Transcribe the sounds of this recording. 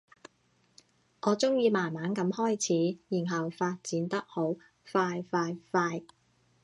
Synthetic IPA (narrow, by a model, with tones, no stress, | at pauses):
ŋɔː˨˧t͡sʊ˥ŋjiː˨˧maː˨˩nmaː˨˥nkɐ˨˧˥mhɔː˥jt͡sʰiː˨˥jiː˨˩nɦɐ˨wfaː˧t̚t͡siː˨˥nt̪ɐ˥k̚ho˨˥w | faː˧jfaː˧jfaː˧j